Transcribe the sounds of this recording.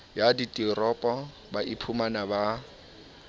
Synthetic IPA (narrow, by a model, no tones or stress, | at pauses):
jaditʼirɔpʼɔ | baʔipʰumanaba